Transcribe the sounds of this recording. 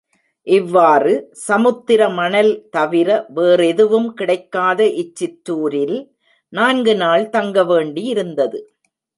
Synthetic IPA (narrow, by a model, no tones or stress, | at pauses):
ʔɪʋːaːrɯsɐmɯt̪ːɪɾɐmɐnɐlt̪ɐʋɪɾɐʋeːrɛðɯʋɯmkɪɽɐɪkːaːðɐʔɪt͡ʃːɪʈɾuːɾɪl | naːnɡɯnaːɭt̪ɐŋɡɐʋeːɳɖijɪɾɯnd̪ɐðɯ